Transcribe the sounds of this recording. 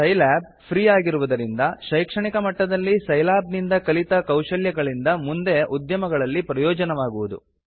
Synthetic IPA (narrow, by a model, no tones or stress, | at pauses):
sɐjlaːb̚ | pʰɾiːaːɡiɾuʋud̪ɐɾind̪ɐʃɐjkʂɐɳikɐmɐʈːɐd̪ɐlːisɐjlaːbnind̪ɐkɐlit̪ɐkɐwʂɐljɐɡɐɭind̪ɐmund̪e̞ʔud̪jɐmɐɡɐɭɐlːipɾɐjɔːd͡ʒɐnɐʋaːɡuʋud̪ṵ